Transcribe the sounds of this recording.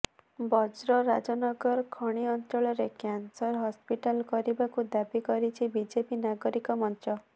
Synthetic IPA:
bɔd͡ʒɾɔɾad͡ʒɔnɔɡɔɾɔkʰɔɽ̃iɔnt̪ɔɭɔɾekjansɔɾɦɔspiʈalkɔɾibakud̪abikɔɾit͡ʃʰibid͡ʒepinaɡɔɾikɔmɔntɔ

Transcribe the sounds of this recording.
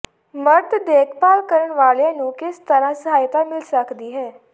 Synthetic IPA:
məɾt̪d̪eːkʰpaːlkəɾəɳʋaːlãːnũːkɪst̪əɾãːsəɦaːjt̪aːmɪlsəkd̪iːɦɛː

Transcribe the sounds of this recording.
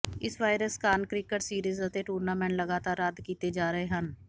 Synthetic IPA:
ɪsʋaːɪɾəskaːnkɾɪkəʈsiːɾiːzət̪eʈuːɾnaːmɛ̃ːɳʈləɡaːt̪aːɾad̪kiːt̪eːd͡ʒaːɾəɦeːɦən

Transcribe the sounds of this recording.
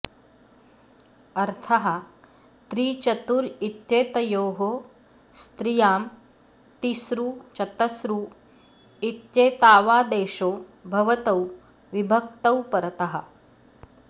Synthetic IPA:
ɐɾt̪ʰɐɦɐ | t̪ɾiːt͡ʃɐt̪uːɾit̪jeːt̪ɐjoːɦo | st̪ɾijaːm | t̪isɾuːt͡ʃɐt̪ɐsɾuː | it̪jeːt̪aːʋaːd̪eːʃoːbʱɐʋɐt̪ɐw | ʋibʱɐk̚t̪ɐwpɐɾt̪ɐɦɐ̰̆

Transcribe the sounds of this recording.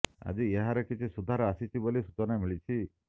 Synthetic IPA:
a̰d͡ʒieɦaɾɔkit͡ʃʰisud̪ʱaɾɔasit͡ʃʰibolisut͡ʃɔnamiɭit͡ʃʰi

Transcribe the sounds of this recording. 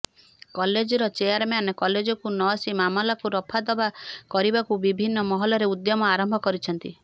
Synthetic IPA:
kɔled͡ʒɔɾɔt͡ʃejaɾmeanɔkɔled͡ʒɔkunɔsimamɔlakuɾɔpʰad̪ɔbakɔɾibakubibʱinːɔmɔɦɔlɔɾeud̪jɔmɔaɾɔmbʱɔkɔɾit͡ʃʰɔnt̪i

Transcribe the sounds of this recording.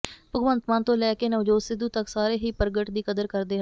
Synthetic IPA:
pəɡʋənt̪mãːnt̪õːlɛːkeːnəʋd͡ʒoːsɪd̪uːt̪əksaːɾeːɦiːpəɾɡəʈd̪iːkəd̪əɾkəɾd̪eːɦ

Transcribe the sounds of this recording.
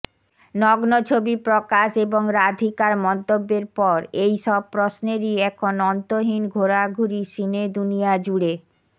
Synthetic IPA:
nɔɡnot͡ɕʰobipɾokaʃeboŋɾad̪ʱikaɾmɔnt̪obːeɾpɔɾejʃɔb̚pɾosneɾiɛkʰonɔnt̪oɦinɡʱoɾaɡʱuɾiʃined̪unijad͡ʑuɽe

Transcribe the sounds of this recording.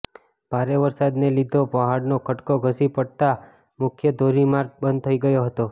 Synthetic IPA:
b̥ʱaɾeʋəɾsad̪nelid̪ʱopəɦaɽnokʰəʈkoɡʱəsipəɽt̪a | mʊkʰjəd̪ʱoɾimaɾɡ̚bənd̪̚t̪ʰəiɡəjoɦət̪o

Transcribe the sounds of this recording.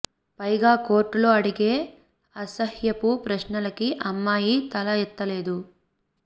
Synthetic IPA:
pɐjɡaːko̞ːɾʈːulo̞ːɐɽiɡe̞ː | ɐsɐhjɐpupɾɐʃnɐlɐkiʔɐmːaːjit̪ɐlɐɛt̪ːɐle̞ːd̪u

